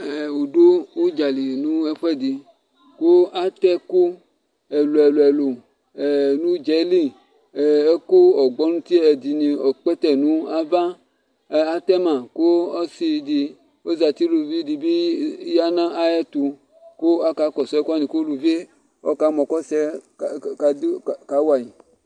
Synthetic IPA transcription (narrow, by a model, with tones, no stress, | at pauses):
ɛ˨wo˨do˦wo˦d͡ʒa˨li˨nũ˦e˦ɸɛ˦di˨ | ko˦a˦t̪ɛ˦ku˦ | ɛ˨lu˨ɛ˨lo˨ɛ˨lo˨ | nũ˦d͡ʒɛ˨˦li˦˨ | e˦ko˦ɔ˨ɡ͡bɔ˦nũ˦t̪i˦e˨d̪i˨nĩ˨ɔ˨k͡pɛ˦t̪ɛ˦nũ˦a˦va˦ | a˦t̪ɛ˦mã˨ko˦ɔ˦si˧di˧ | wo˦za˨t̪i˦lu˨vi˦di˨bi˦ja˦nã˦a˦jɛ˦t̪u˧ | ko˦a˦ka˨˦kɔ˨sɔ˦ɛ˦ka˦nĩ˨ko˦lu˨ve˦ | ɔ˦ka˨˦mɔ̃˨kɔ˦sɛ˦ | a˨dka˨˦wa˨ji˨